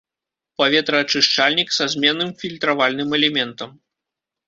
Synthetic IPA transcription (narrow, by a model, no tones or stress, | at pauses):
pavʲɛt̪ɾɐːt͡ʂɨʂt͡ʂalʲnʲiksazʲmʲɛnːɨmfʲilʲt̪ɾavalʲnɨmɛlʲɛmʲɛnt̪ɐm